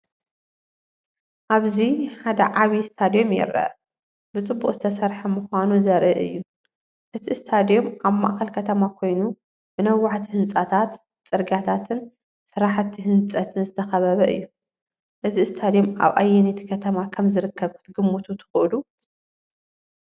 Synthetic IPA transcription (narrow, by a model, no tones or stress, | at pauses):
ʔaβziħad̪ɐ̰ʕaβist̪ʰad̪ijo̞mjɛ̰ɾɐ̰ | bɨt͡sʼɨbːuqʼzɨt̪ʰɐsɐɾħɐmɨxʷanuzɐɾʔɨʔɨ̰jːu | ʔɨt̪ʰist̪ʰad̪ijo̞maβma̰ʔxɐlkʰɐt̪ʰɐmakʰo̞jnu | b̥ɨnɐwːaʕt̪ʰihɨnt͡sʼat̪ʰat̪ | t͡sʼɨɾɡat̪ʰat̪ʰɨn | sɨɾaħt̪ʰːihɨnt͡sʼɐt̪ʰɨnzɨt̪ʰɐxɐβɐβɐʔɨ̰jːu | ʔɨzist̪ʰad̪ijo̞ma̰βʔa̰jːɛnet̪ʰi̥kʰɐt̪ʰɐmakʰɐmzɨɾɨkʰːɐβkʰu̥t̪ɡɨmːut̪ʰut̪ʰɨ̥xʔlu